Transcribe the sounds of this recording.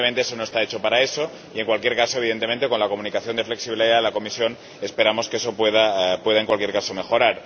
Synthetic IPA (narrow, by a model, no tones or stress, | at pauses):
ment̪eesono̞e̞st̪aet͡ʃo̞paɾae̞so̞ | ie̞ŋkwalkje̞ɾkaso̞e̞β̞iðent̪ement̪eko̞nlako̞munikaθjo̞nd̪e̞fle̞ksiβiliðaðelako̞misjo̞n | e̞spe̞ɾamo̞skeeso̞pweðapwe̞ðae̞ŋkwalkjeɾkaso̞me̞xo̞ɾaɾ